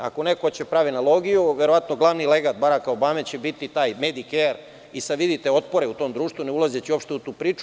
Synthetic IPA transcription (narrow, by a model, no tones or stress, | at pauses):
a̰ko̞nekot͡ɕepɾaʋinalˠo̞ːɡijuʋeɾoʋat̪noɡlˠaʋnileɡad̪̚baɾakaobamet͡ɕe̞bit̪it̪aːjmed̪ikeɾ | isaʋid̪it̪eo̞t̪̚po̞ɾeut̪o̞ːmd̪ɾuːʃt̪ʋuneulˠazet͡ɕio̞pʃt̪e̞ut̪uːpɾiːt͡ʃu